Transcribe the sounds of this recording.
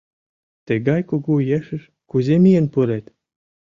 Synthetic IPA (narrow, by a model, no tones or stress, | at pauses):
t̪ə̆ɡɑjkoɣujeʃɘ̆ʃ | kuzʲemijənpuɾet̪